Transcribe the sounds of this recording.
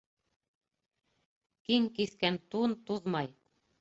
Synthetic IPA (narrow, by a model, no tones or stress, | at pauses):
kiŋkiθkænt̪unt̪uðmɑj